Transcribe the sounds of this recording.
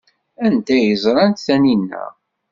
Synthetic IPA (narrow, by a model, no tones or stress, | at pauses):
ænt̪æjəzˤɾˤɑnt̪θæninːæ̰